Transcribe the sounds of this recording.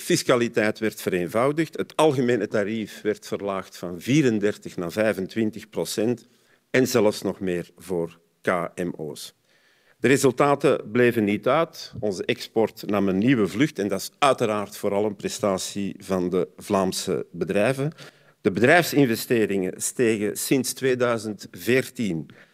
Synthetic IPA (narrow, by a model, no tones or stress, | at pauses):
fiskalitɛjtʋɛrtfəɾeːnvɑwdəxtɦətɑlˠɣəmeːnətaɾifʋɛrtfərlaːxtfɑnviːɾəndɛrtəxnaːvɛjvəntʋɪntəxprosɛnt | ɛnzɛləfsnɔxmeːrvoːr | kaːɛmo̰ːs | d̥əɾezɵlˠtaːtəbleːvənːitœɥtɔnzəʔɛkspɔrtnɑmənːiwəvlʏxtɛndɑsœɥtəɾaːrtfoːɾɑlˠənprɛstaːsivɑndəvlaːmsə̰bədrɛjvən | d̥əbədrɛjfsɪnvɛsteːɾɪŋə̰steːɣə̰sɪnstweːdœːɥzəntveːrtin